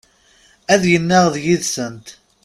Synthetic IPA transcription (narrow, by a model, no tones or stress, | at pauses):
æðjənːæʁðjiðsənt̪